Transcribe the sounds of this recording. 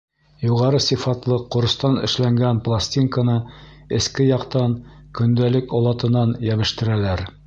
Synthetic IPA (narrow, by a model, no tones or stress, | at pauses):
juʁɑɾɤsifɑt̪lˠɤqŏɾ̆st̪ɑnɘ̰̆ʃlæŋɡænplˠasʲtʲiŋkənɤɘ̆skɘjɑqt̪ɑŋkɵ̆nd̪ælɘkɒlˠɑt̪ɤ̆nɑnjæβɘ̆ʃt̪ɘ̆ɾælæɾ